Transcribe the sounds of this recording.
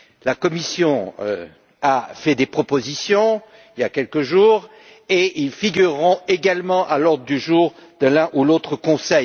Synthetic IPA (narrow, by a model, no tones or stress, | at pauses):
lakɔmisjɔ̃ø̰ | afɛd̪epχɔpozisjɔ̃ | iljakʲɛlkəʒuːʁ | eʔilfiɡʲyʁːɔ̃eɡalmɑ̃ʔalɔʁd̪ʁəd̪yʒuːʁd̪əlɛ̃ʔulot̪χəkɔ̃sɛj